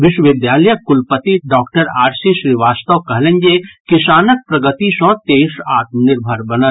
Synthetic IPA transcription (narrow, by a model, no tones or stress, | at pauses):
ʋɪʃwəʋɪd̪jaːləjəkʊlpət̪iɖɔːkʈəɾaːɾsiʃɾiʋaːst̪əʋkɐɦlẽnd͡ʒekɪʃaːnək̚pɾɐɡət̪iʃɔ̃t̪eːʃaːt̪̚mnɪɾbʱəɾbɐnə